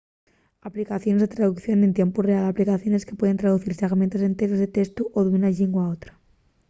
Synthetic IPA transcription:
aplikaθjo̞nzðet̪ɾaðukθjo̞nent̪je̞mpurealaplikaθjo̞neskepweð̞ent̪ɾaðuθiɾseɣmẽnt̪asent̪eɣzðet̪est̪uʔoðunaʎiŋɡwaot̪ɾḁ

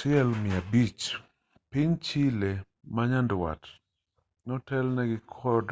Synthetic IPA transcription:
ʃɪɛlmɪabit͡ʃ | pɪɲt͡ʃile | maɲandwa̰t | nɔtɛlnɛɡɪkʰɔd

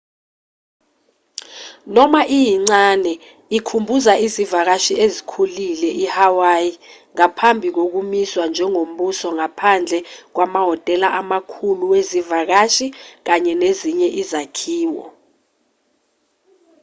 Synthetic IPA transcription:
nɔmaʔijiŋ͡ǀanɛ | ikʰumbʱuzaʔizivak̬aʃiezikʰulilɛʔihawajiŋapʰambʱik̬ok̬umiswand͡ʒʱɛŋom̩ɓusɔŋapʰand͡ɮʱɛk̬wamaɦɔtʼɛlaʔamakʰuluwezivak̬aʃik̬aɲɛneziɲɛʔizakʰiːwɔ̰

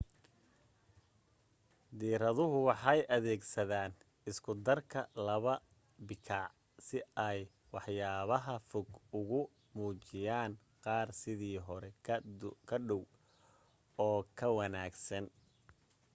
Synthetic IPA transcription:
d̪iːɾɐðʊɦʊwɑħɑjʔɐðɛːɡsɐðaːn | ɪskʰʊd̪ɐrkʰɐlɐβɐ | bɪkʰɑʕ | sɪɛj | wɑħjaːβɐɦɐfɔɡʊɣʊ | muːt͡ʃɪjaːn | qɑːrsɪðiːɦɔɾɛ | kʰɐɗɔw | ɔːkʰɐwɐnaːɡsɐn

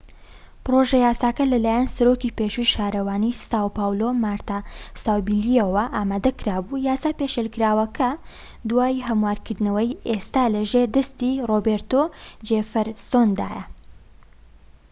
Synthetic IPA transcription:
pɨɾoʒɐjaːsaːkɐlɐlaːjansɐɾoːkipeʃujʃaːɾɐwaːnist̪aːwpaːwlomaːɾt̪asaːwbiliɐwɐʔaːmaːd̪ɐkɾaːbujaːsaːpeʃelkɨɾaːwɐkʰɐ | d̪waːjɦɐmwaːɾkɨɾd̪nɐwɐjʔest̪aːlɐʒeɾd̪ɐst̪irobeɾt̪od͡ʒefɐɾst̪oːnd̪a̰ːjɐ̰

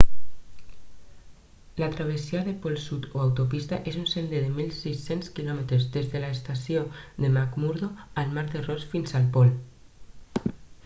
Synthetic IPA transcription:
lat̪ɾaβ̞esiaðepolsut̪oawt̪opist̪aʔesunsend̪eðemilsisenskilɔmet̪ɾezðezðelaest̪asjoðemakmuɾðoalmaɾðerosfinsalpol

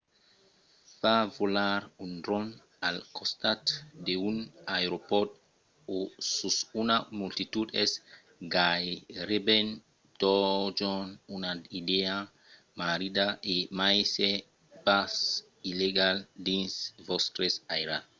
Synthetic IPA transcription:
favolaɾund̪ɾɔn | alkʰɔst̪at̪deunajɾopɔt̪ | osusunamult̪it̪ud̪ɛs | ɡajɾeben | t̪ɔd͡ʒɔnunaidea | maɾidaʔemajse | pas | ileɡaldĩnsvɔst̪ɾesajɾa

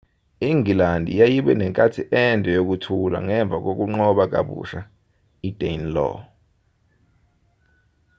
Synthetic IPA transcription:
iŋilandʱḭjajiɓɛ̰nɛŋkʼatʰiʔɛndʱʼɛjok̬utʰula̰ŋɛɱb̪vʱak̬ok̬uŋ͡ǃɔɓak̬ʼa̰ɓṵʃa | id̥ʱenlɔ̰

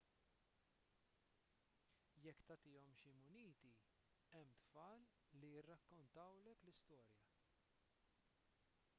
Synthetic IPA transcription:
jɛkːt̪ɐt̪ɪːɔmʃimʊniːt̪i | ɛmːt̪fɐːlː | ijɪrːɐkːɔnt̪ɐwlɛklɪst̪ɔːɾjɐ

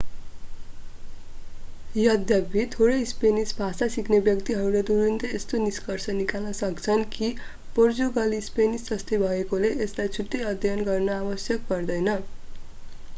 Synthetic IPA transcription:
jʌd̪ʱjʌbʱit̪ʰoɾʌjspenisbʱasasiknebjʌkt̪iɦʌɾuled̪uɾint̪ʌest̪oniskʌrsʌnikalnʌsʌkt͡sʰʌnki | pord͡zuɡʌlispenisd͡zʌst̪ebʱʌekoleʔeslajt͡sʰuʈːejʌd̪ʱjʌnɡʌrnʌawʌsjʌk̚pʌrd̪ʌjnʌ

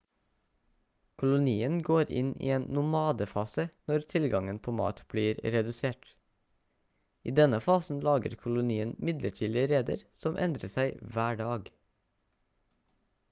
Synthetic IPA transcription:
kʰʊlʊniːənɡoːɾɪ̰nḭːeːnnʊmɑːd̪əfɑːsənɔɾt̪ʰɪlɡɑŋənpʰoːmɑ̰ːt̪b̥liːɾɾɛd̪ʉseːʈ | iːd̪ɛnəfɑːsn̩lɑːɡə̰ɾkʰʊlʊniːənmɪd̪ləʈʰiːd̪ɪɾeːd̪ə̰ɾsɔmʔɛ̰nd̪ɾəsæɪʋæːɖɑːɡ

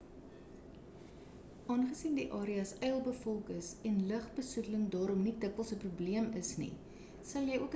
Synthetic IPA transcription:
ɑːnχəsindiʔɑːɾiɐsɛjəlˠbəfɔlˠkəsɛnləχbəsutləŋdɑːɾɔmnidəkəlˠsəprubliəməsnḭ | sɐlˠjəjuək

